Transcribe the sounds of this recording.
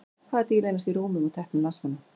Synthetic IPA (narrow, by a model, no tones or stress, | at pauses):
kʰvaːɛɾt̪ijleːjnast̪iɾoːwmʏmut̪ʰɛhpnɪmnasvana